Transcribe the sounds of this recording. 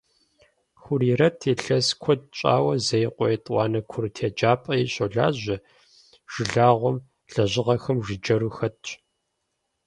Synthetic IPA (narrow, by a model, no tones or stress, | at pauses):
xʷʊɾiːɾɐtʰeːɬɐskʷʰɔd̚t͡ʃʼa̰ːwɐzɐjqʷʼɔjɛtʼwʷɑːnɐkʷʰʊrtʰeːd͡ʒaːpʼɐjiɕʼoɮa̰ːʑʷɪ | ʒ̥ɪɮaːʁʷɔm | ɬɐʑɪʁɐxɐmʒɪd͡ʒɐɾuxɐtʰ